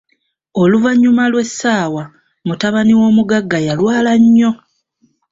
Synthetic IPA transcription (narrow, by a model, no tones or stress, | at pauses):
o̞luvaɲːumalwe̞sːaːwa | mutaβaniwo̞ːmuɡaɡːajalwaːlaɲːo̞